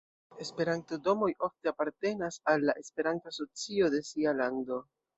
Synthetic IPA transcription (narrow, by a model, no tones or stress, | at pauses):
e̞spe̞ɾanto̞do̞mo̞jʔo̞fte̞apaɾte̞nasalːaʔe̞spe̞ɾantoaso̞t͡siode̞sialando̞